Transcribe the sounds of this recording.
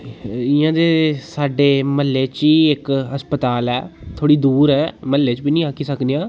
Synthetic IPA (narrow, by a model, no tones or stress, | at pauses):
ɪjãːd̪eːsaːɖeːməlːeːt͡ʃiːɪkəspət̪aːlɛːt̪ʰoːɽiːd̪uːɾɛːməlːeːt͡ʃbiːnĩːakʰiːsəkd̪ijãː